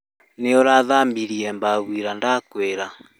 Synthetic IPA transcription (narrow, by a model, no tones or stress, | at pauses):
neɔɾaðambiɾiɛmbaβwiɾandakweɾa